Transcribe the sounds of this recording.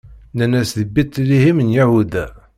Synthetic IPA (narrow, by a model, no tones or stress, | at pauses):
nænæsðəbit̪ːlihimənjæhud̪æ